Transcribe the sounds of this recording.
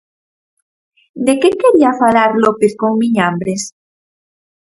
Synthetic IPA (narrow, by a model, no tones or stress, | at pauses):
d̪ekekeɾiafalaɾlopeθkoŋmiɲambɾes